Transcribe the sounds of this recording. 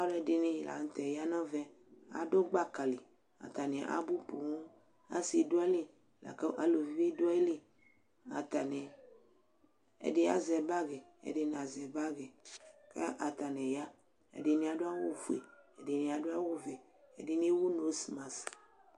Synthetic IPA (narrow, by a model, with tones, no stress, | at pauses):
a˦lde˦nĩ˦˨la̰˨ŋ̩˨˦t̪ɛ˨ja˦nɔ̃˦vɛ˦a̰˨do˦ɡ͡ba˦ka˨li˨ | a̰˨t̪a˨nẽ˨ʔa̰˦bu˦po˨ŋo˦ | a̰˦si˨do˦ɛ˦li˦ | la̰˨ke˦ʔa˨lo˨vi˦vi˦do˦ɛ˦li˦ | a˨t̪a˨nɛ̃˨ | ḛ˨ɖe˦a̰˦zɛ˨ba˦ɡe˨ḛ˨de˦n˨a˨zɛ˨ba˦ɡe˨kḛ˦ʔa˨t̪a˨nɛ̃˨ja˦ | ḛ˨de˨nĩ˦a˨ɖo˦a˦wo˦fu˨ḛ˨ḛ˨de˨nĩ˨˦a˨ɖo˦a˦wo˦ve˨ | ḛ˨di˦nĩ˦wu˦no˨˦smã˨s